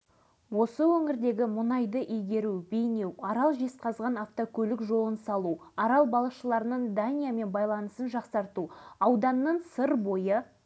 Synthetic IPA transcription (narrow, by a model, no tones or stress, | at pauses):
wo̞səwɵŋɪɾd̪e̞ɡʲɪmʊnɑjd̪əʔijɡʲe̞ɾube̞jne̞wɑɾɑlˠʒe̞sqʰɑzʁɑnaft̪okʲʰɵlɪkʒo̞lˠənsɑlˠuɑɾɑlˠbɑlˠəqʃəlˠɑɾənəɴd̪anʲijame̞nbɑjlˠɑnəsənʒɑqsɑɾt̪uɑwd̪ɑnːəɴsəɾbo̞jə